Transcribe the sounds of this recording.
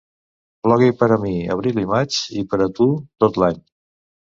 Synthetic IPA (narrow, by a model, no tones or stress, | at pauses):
plɔɣipəɾəmiə̰β̞ɾilimat͡ʃipəɾət̪ut̪ot̪laɲ